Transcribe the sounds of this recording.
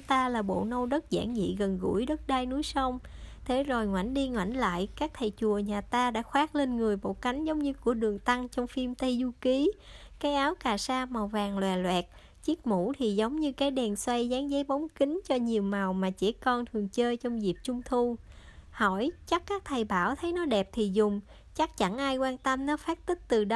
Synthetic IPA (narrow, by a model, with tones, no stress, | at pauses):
t̪aː˧laː˨˩ɓo̰˧˨nə˧wzə˦˥t̚za̰ː˧˩ŋzḭ˧˨ɣə˨˩nɣṵ˧˥əjɗə˦˥t̚ɗa˧jnu˨˦əjsa˧wŋ͡mt̪ʰe˨˦zo˨˩jŋwa̰˧˩jŋ̟ɗi˧ŋwa̰˧˩jŋ̟la̰ː˧˨jkaː˦˥k̚t̪ʰə˨˩jt͡ɕu˨˩əɲaː˨˩t̪aː˧ɗa̰ː˧˥xwaː˦˥k̚le˧nŋɨ˨˩əjɓo̰˧˨ka˨˦jŋ̟zə˨˦wŋ͡mɲɨ˧ku˧˩˥əɗɨ˨˩əŋt̪a˧ŋt͡ɕɔ˧wŋ͡mfi˧mt̪ə˧jzu˧ki˨˦kaː˨˦jʔaː˨˦wkaː˨˩saː˧ma˨˩wvaː˨˩ŋlwaː˨˩lwɛ̰˨˩t̚ | t͡ɕi˦˥ək̚mṵ˧˥t̪ʰi˨˩zə˨˦wŋ͡mɲɨ˧kaː˨˦jɗɛ˨˩nswa˧jzaː˨˦ŋzə˨˦jɓɔ˨˦ŋ͡mkï˨˦ŋ̟t͡ɕɔ˧ɲi˨˩əwma˨˩wmaː˨˩t͡ɕɛ̰˧˥kɔ˧nt̪ʰɨ˨˩əŋt͡ɕəː˧jt͡ɕɔ˧wŋ͡mzi˨˩p̚t͡ɕʊ˧ŋ͡mt̪ʰu˧hɔ˧˩jt͡ɕa˦˥kːaː˦˥k̚t̪ʰə˨˩jɓaː˧˩wt̪ʰə˨˦jnɔ˨˦ɗɛ˨˩p̚t̪ʰi˨˩zʊ˨˩ŋ͡m | t͡ɕa˦˥k̚t͡ɕa˧˩nʔaː˧jkwaː˧nt̪ə˧mnɔ˨˦faː˦˥t̚t̪ï˦˥k̚t̪ɨ˨˩ɗ